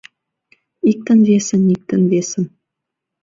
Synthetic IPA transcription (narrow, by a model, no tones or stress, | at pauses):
ik̚t̪ɘ̆nvʲesənik̚t̪ɘ̆nvesən